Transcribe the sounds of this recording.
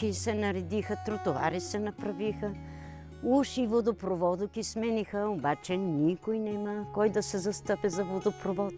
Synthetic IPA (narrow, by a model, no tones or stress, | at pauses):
isɛnɐɾɛd̪ixət̪ɾot̪ova̰ɾisɛnɐpɾɐvixə | uʃivod̪opɾovɔd̪ʊkismɛnixəobat͡ʃɛnikojnɛməkɔjd̪ɐsɛzɐst̪ɤpɛzɐvod̪opɾovɔt̪